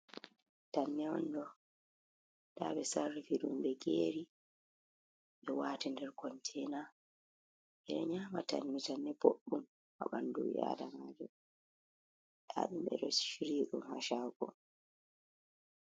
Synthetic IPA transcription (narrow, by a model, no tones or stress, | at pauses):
tanːɛɔ̰ndɔ | daːɓɛsarːifiɗumbɛɡeɾi | ɓɛwaːtindɛɾkɔntʰɛːna | ʔɛɗɛɲaːmata̰nmitanːɛboɗːum | ha̰ɓandṵja̰ːdamad͡ʒɔ | ɗa̰ɗumɓɛ̰ɗɔsʃiɾiːɗumha̰ʃaːɡɔ